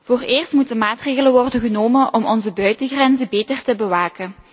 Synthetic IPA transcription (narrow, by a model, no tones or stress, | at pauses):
v̥oːreːrstmutənmaːtreːɣələnʋɔrdənɣənoːmənʔɔmɔnzəbœɥtəɣrɛnzəbeːtərtəbəʋaːkən